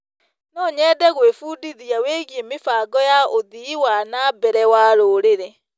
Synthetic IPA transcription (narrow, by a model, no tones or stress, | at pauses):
nɔɲɛːdɛɣwefuːdiðiaweːɣjemefaːɡɔjaoðiwanabɛɾɛwaːɾoːɾeɾɛ